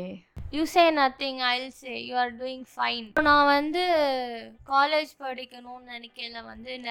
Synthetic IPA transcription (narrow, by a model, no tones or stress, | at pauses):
juːseːnɐt̪ːɪ̃ŋɐɪlseːjuːaːɾɖuːɪ̃ŋɡfɐɪnnãːʋɐnd̪ɯ | kaːleːd͡ʒpɐɽɪkːɐnʊ̃ːnɛnɪkːɐlːɐ̃ʋɐ̰nd̪ɯn